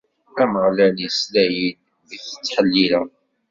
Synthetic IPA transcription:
æməʁlæljəslæjil | ðəçə̥t͡sːħəlːilæ

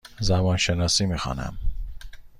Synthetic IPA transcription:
zæbɒːnʃenɒːsiːmiːxɒ̰ːnæ̰m

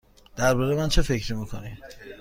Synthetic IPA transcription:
d̪̥æɾbɒːɾemænt͡ʃʰe̞fe̞cɾimiːkʰo̰ni

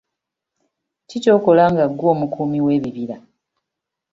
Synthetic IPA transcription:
cico̞ːko̞laːŋɡaɡːoːmukʰuːmiwe̞ːβiβiɾa

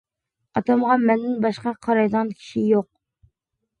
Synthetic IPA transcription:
ɑt̪ɑmʁɑmɛnːɪŋbɑʃqɑqʰɑɾɑjd̪ʁɑnkʲʰi̥ʃijoq̚

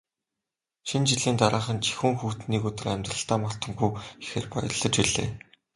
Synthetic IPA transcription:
ʃint͡ɕiɮiːnt̪aɾaːχə̆nt͡ɕʰi̥xuːŋxuːt̪niːkɵt̪ɵ̆ræmʲt̪rə̆ɬt̪aːmɔɬt̪ə̆mxujixḛːrpɔ̰jɞ̰̆ɮə̆t͡ɕwiɮḛː

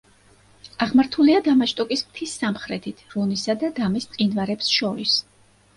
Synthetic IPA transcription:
aʁmaɾt̪ʰuliad̪amaʃt̪ʼɔkʼismt̪ʰisːamχɾɛt̪ʰit̪ʰɾɔnisad̪ad̪amist̪sʼinvaɾɛpsʃɔɾis

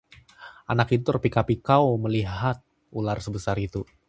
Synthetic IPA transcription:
ʔanakit̪̬ut̪ərpikapikawməliɦat̪̚ | ularsəbəsaɾit̪u

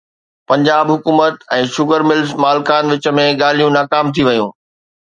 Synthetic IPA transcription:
pɐ̃ɲd͡ʑaːbɦʊkuːmət̪ɛ̃ːʃʊɡəɾmɪlzmaːlkaːnʋɪt͡ɕə̆mẽɠaːl̤ijũnaːkaːmt̪ʰiʋɐjũː

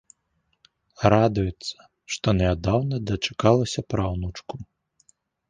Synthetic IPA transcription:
ɾad̪ujɛt̪sːɐ̥ | ʂt̪ɔnʲɛad̪awnɐd̪ɐt͡ʂḁkalˠɐsʲɐpɾawnut͡ʂku

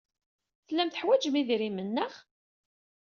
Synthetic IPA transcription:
θlːæmθəħwæd͡ʒəmiðɾimənːəχ

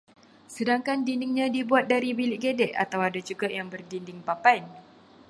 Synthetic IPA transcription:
sədaŋkandindɪŋɲãdibuat̪̚daɾibilɪʔ̚ɡedɛʔa̰t̪awadad͡ʒuɡajaŋbərdindɪŋpapajn

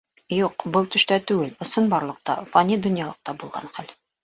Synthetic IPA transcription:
juqbɤlˠt̪ɵ̆ʃt̪æt̪ʉɡɘlɤ̆sɤnbɑɾlˠɤ̆q̚t̪ɑ̰fɑnʲid̪ŏnjɑlˠɤ̆q̚t̪ɑbulˠʁɑ̰nχæl

